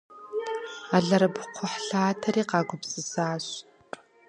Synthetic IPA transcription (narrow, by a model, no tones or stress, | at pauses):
aɮɐɾɐpqʷʰʊħɬaːtʰɐɾiːqɑːɡʷʊpsʼɨsaaːɕ | pʼ